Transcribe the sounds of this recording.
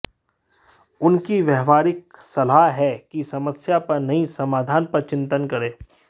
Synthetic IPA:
ʊnkiʋjɛɦʋaːɾɪk̚sɐlaɦɦɛkisɐməsjapɐɾnɐɦĩsɐmaːd̪ʱaːnpɐɾt͡ʃɪ̃nt̪ənkɐɾeː

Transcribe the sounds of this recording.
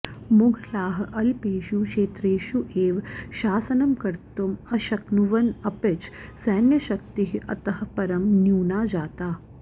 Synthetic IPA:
muɡʱlaːɦɐʔɐlpeːʃukʃeːt̪ɾeːʃuʔeːʋʃaːsɐnɐmkɐɾt̪umɐʃɐknuʋɐnɐpet͡ʃʰsɐːnjɐʃɐk̚t̪iɦiʔɐ̰t̪ɐɦɐpɐɾɐmnjuːnaːd͡ʒaːt̪aː

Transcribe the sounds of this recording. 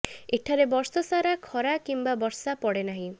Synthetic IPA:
eʈʰaɾebɔɾsɔsaɾakʰɔɾakimbabɔɾsapɔɽenaɦĩ

